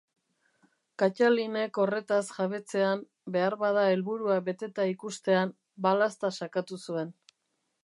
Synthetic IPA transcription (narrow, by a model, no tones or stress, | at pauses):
kat͡ʃaline̞ko̞re̞t̪asʝaβe̞t͡se̞am | be̞aɾβað̞ae̞lβuɾuaβe̞t̪e̞t̪aikust̪e̞am | balast̪asakat̪usue̞n